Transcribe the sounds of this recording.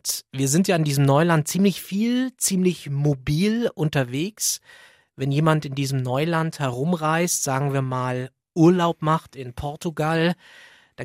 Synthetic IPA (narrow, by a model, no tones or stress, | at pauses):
tviːɐzɪntjaːɪndiːzəmnɔʏlant̚t͡siːmlɪçfiːlt͡siːmlɪçmobiːlʔʊntɐveːks | vɛnjeːmantɪndiːzəmnɔʏlanthɛʁ̞ʊmʁaɪstz̥aːɡŋ̩viːɐmaːl | ʔuːɐlaʊpmaχtɪnpʰɔɐtuɡal | d̥a